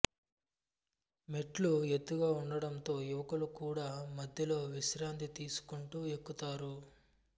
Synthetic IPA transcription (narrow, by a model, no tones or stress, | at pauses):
me̞ʈlue̞t̪ːuɡaːuɳɖɐɽɐnt̪o̞ːuʋɐkɐlukuːɽaːmɐd̪ʱjɐlo̞ːʋiʃɾaːnt̪it̪iːsu̥kuɳʈuːe̞kːut̪aːɾu